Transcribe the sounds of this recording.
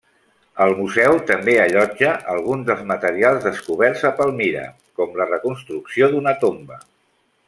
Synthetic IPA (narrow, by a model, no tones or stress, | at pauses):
əlˠmuzɛwt̪əmbeəʎɔd͡ʒəʔəlˠɣunzðəlˠzmət̪əɾialˠzðəskuβ̞ɛrzəpəlˠmiɾə̰ | kɔmlərəkunst̪ɾuksioðunət̪ombə